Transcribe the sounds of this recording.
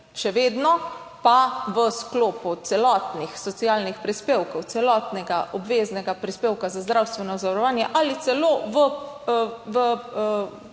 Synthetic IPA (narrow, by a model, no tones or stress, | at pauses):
ʃɛʋeːd̪nɔ | paʋəskloːput̪sɛlɔt̪nixsɔt̪sijaːlnixpɾispeːwkɔwt̪sɛlɔt̪nɛɡaʔɔbʋeːznɛɡapɾispeːwkazazd̪ɾawst̪ʋɛnɔzaʋɾɔʋaːnjɛʔalit̪sɛloːʋə | ʋə